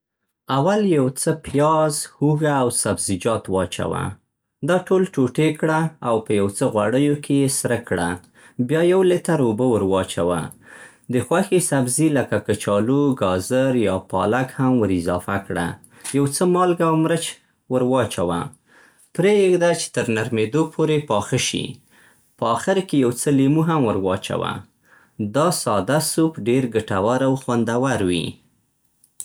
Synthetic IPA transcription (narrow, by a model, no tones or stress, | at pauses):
awaljawt͡səpjɑzhuɣaːwsabzid͡ʒɑt̪wɑt͡ʃa̰wa̰ | d̪ɑʈolʈoʈekɽaawpəjawt͡səɣwaɽəjokejesɾəkɽa | bjɑjawlet̪aɾobəwəɾwɑt͡ʃawa̰ | d̪əxwaxesabziləkakət͡ʃɑluɡɑzəɾjɑpɑlakhamwəɾɪzɑfakɽa̰ | jawt͡səmɑlɡawmɾət͡ʃ | wəɾwɑt͡ʃawa̰ | pɾeɡd̪at͡ʃe̥t̪əɾnaɾmed̪opʰoɾepɑxəʃḭ | pəɑxɪɾkejawt͡səlemuɦamwəɾwɑt͡ʃa̰wa̰ | d̪ɑsɑd̪asupɖeɾɡəʈawaɾawxwand̪awaɾwḭ